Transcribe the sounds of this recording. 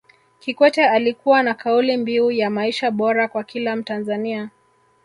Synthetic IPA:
kikwɛtɛalikuwanakaulimbiujamaiʃaɓɔɾakwakilam̩tanzania

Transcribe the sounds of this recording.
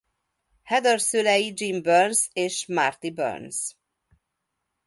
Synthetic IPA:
hɛd̪ɛrsølɛjid͡ʒimbørnseːʃmart̪ibø̰rns

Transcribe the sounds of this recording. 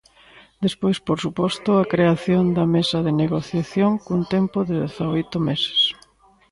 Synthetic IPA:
d̪espojspoɾsupɔst̪ʊakɾeaθjond̪ɐmesɐðɪneɣoθjaθjoŋkunt̪ɛmpʊðɪðeθaojt̪ʊmese̥s

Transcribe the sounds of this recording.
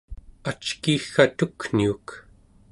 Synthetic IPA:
at͡ʃkixːat̪ukn̥iuk

